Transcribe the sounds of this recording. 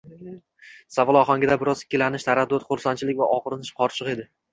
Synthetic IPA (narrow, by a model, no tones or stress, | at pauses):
savɒlˠɒχɒŋʲɪd̪abɪɾɒzɪ̥kʲʰːɪlanɪʃt̪ʰaɾad̪ːot̪χʊɾsant͡ʃʰɪlɪkʲvaʔɒʁɨɾɪnɪʃqʰɒɾt͡ʃʰɨqe̞d̪ɪ